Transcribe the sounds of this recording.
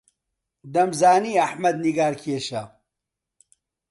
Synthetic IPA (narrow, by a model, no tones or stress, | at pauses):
d̪ɐmzaːniːɐħmɐd̪̚niɡaːɾkʰeʃɐ